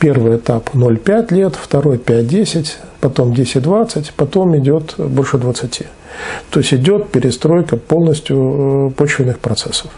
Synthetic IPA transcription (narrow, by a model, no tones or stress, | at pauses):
pʲe̞rvɨjɪt̪apno̞lʲpʲætʲlʲet̪ft̪ɐɾo̞jpʲæt̚ʲdʲesʲɪtʲ | pɐt̪o̞mdʲesʲɪtʲd̪vat̪sɨtʲpɐt̪o̞mɪdʲo̞t̪bo̞lʲʂɨd̪vət̪sɨtʲʰi | t̪o̞ɪsʲɪdʲo̞t̪̚pʲɪɾʲɪst̪ɾo̞jkəpo̞lˠnəsʲtʲjʊpo̞t͡ɕvʲɪnːɨxpɾɐt̪sɛsːəf